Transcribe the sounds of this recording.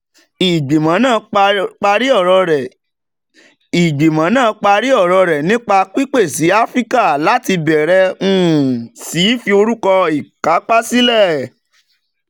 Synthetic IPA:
i˨ɡ͡bi˨mã˨˦nãː˦˨˧k͡pa˧ɾi˦ɔ˦˨ɾɔ˧ɾɛ˨ | i˨ɡ͡bi˨mã˨˦nãː˦˨˧k͡pa˧ɾi˦ɔ˦˨ɾɔ˧ɾɛ˨nĩ˦k͡pa˧k͡pi˦k͡pe˦˨si˨˦a˦fɾi˦ka˦˨la˦ti˧bɛ˨ɾɛ˧ũ˦˨si˨˦fi˧o˧ɾu˦kɔ˧i˨ka˨˦k͡pa˦si˦lɛ˦˨

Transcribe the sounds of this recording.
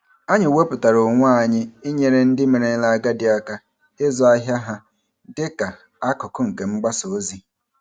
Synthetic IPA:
a˦ɲɪ˨we˦pʊ˨ta˨ɾʊ˨ŋʷ˦a˦˨ɲɪ˦i˦ɲe˨ɾe˦n̩˦dɪ˦me˨ɾe˨˦la˨ɡa˦dɪ˨a˦ka˦ | e˦zɔ˦a˦ɦja˦ɦa˦ | dɪ˦ka˨ | a˦kʊ˨kʊ˦ŋ̩˨ke˨ŋ͡m̩˦ɡ͡ba˦so˨o˦zi˦

